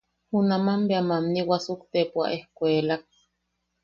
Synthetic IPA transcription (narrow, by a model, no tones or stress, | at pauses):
hunamambeamamniwasukt̪epua̰ʔehkʷeːlak̚